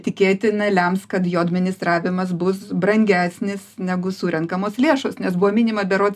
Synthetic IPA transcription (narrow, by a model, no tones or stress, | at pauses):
t̪ʲɪkʲeːt̪ʲɪnɐlʲɛmskɐt̪joːɐd̪ʲmʲɪnʲɪst̪ɾɑːʋʲɪmɐs̬bʊsbrɐŋʲɡʲæːsʲnʲɪsnʲæɡʊsuːɾʲɛŋkɐmoːslʲeːʃoːsnʲɛsbuoːmʲɪːnʲɪmɐbʲɛɾoːt̪